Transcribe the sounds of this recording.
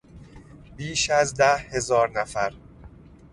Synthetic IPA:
biːʃæzd̪æhhe̞zɒːɾnæfæɾ

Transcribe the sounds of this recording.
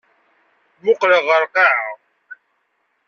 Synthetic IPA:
mʊqləʁəɾqɑʕa

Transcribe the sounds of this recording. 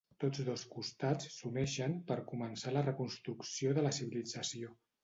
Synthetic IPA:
t̪od͡zðoskust̪at͡ssumɛʃəmpəɾkumənsalərəkunst̪ɾuksioðələsiβilid͡zəsio

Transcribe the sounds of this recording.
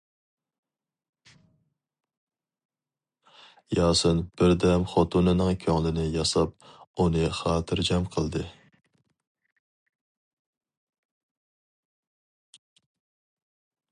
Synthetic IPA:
jɑːsɨnb̥ɪɾd̪ɛmχɑt̪ʰunɨnɨŋkʲʰøŋlˠɪnɪjɑsɑp̚unɨχɑːt̪ʰɨɾd͡ʒɛmqʰəlˠd̪ɨ

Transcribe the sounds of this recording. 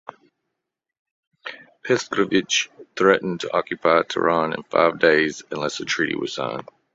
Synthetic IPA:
pʰɛskɹəvɪt͡ʃθɹɛʔn̩tʰəʔɑkjɨpʰaɪtʰə̰ɹɑ̃nɨ̰̃nfa̰ɪvdeɪzɨ̃nlɛsətʰɹ̥iɾḭwʌ̰z̥sʌ̰̃ʊ̃n

